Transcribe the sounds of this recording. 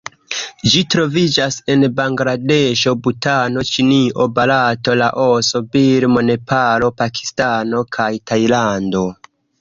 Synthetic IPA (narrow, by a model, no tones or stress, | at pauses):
d͡ʒitɾo̞vid͡ʒase̞nbaŋɡɾadeʃo̞butano̞t͡ʃiniʔo̞balatolaʔo̞so̞biɾmo̞ne̞pʰalo̞pakʰi̥stano̞kʰajtajlando̞